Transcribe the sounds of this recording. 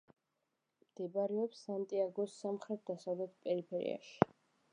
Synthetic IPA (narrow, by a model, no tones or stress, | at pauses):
md̪̥ɛbaɾɛɔpsant̪ʼiaɡɔsːamχɾɛt̪̚ʰd̪asavlɛt̪̚ʰpʼɛɾipʰɛɾḭa̰ʃi̥